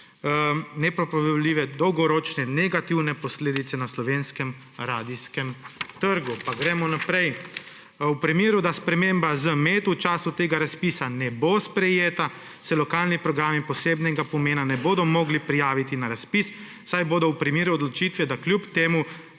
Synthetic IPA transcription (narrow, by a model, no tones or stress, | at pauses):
nɛpɾɔpɾɔʋɛwliːʋɛd̪ɔwɡɔɾɔːt͡ʃnɛnɛɡat̪iwnɛpɔsleːd̪it̪sɛnaslɔʋenskɛm | ɾaːd̪iskɛmt̪əɾɡupaɡɾɛmɔnapɾɛj | wpɾimeːɾud̪aspɾɛmembazəmeːt̪uwt͡ʃaːsut̪eːɡaɾaspisanɛbospɾɛjeːt̪a | sɛlɔkaːlnipɾɔɡɾaːmipɔseːbnɛɡapɔmeːnanɛboːd̪ɔmɔɡlipɾijaːʋit̪inaɾaspis | sajboːd̪ɔwpɾimeːɾuɔd̪lɔt͡ʃiːt̪ʋɛd̪akljupt̪eːmu